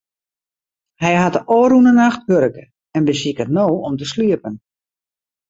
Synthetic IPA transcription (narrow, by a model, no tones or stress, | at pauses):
hɛjɦatəʔoːɾunənaxthøɾəkə | ɛnbəsikətnoːɔmtəsliəpən